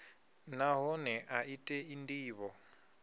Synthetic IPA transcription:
naɦɔnɛʔaitʼɛindiːβɔ

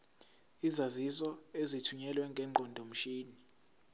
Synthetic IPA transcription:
izazisɔezitʰuɲɛlwɛŋɡʱɛːŋ͡ǃʱɔndʱom̩ʃiːni

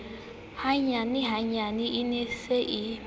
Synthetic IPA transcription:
haɲanɪɦaɲanɪʔineseʔi

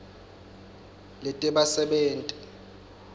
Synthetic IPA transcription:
lɛtʼɛɓasɛɓeːntʼi̥

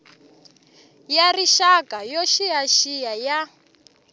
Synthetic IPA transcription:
jariʃakʼajɔʃijaʃijaja

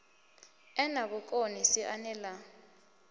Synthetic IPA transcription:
ɛnaɓɔk̬ʼonisiʔanɛla

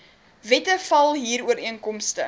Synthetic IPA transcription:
vɛtəfɐlˠɦiːɾuəɾiənkɔmstə

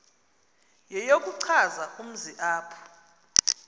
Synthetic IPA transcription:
jɛjok̬ʼuǀʰazaʔum̩ziʔaːpʰɔ̥

